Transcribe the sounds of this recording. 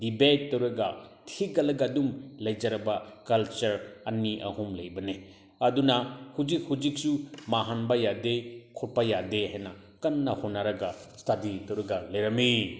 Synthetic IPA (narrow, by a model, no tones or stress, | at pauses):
dibetːɐwɾɐɡɐtʰiɡɐlɐɡɐdumlɐjd͡ʒɐɾɐbɐkɐlt͡ʃɐɾɐniʔɐ̰humlɐjbɐne | ɐdunɐhud͡ʒik̚hud͡ʒik̚sumaɦanbɐjadekʰuɾpɐjadehajnɐ | kɐnːɐhonːaɾɐɡɐstaditɐwɾɐɡɐlɐjɾɐmi